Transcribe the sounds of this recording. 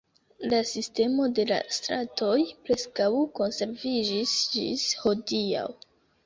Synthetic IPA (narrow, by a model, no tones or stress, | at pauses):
lasiste̞mo̞de̞la̰stɾatʰo̞jpɾe̞skawko̞nse̞ɾvid͡ʒisd͡ʒḭsho̞dia̰w